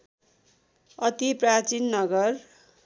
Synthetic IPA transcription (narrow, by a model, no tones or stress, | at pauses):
ʌt̪iprat͡sinːʌɡʌr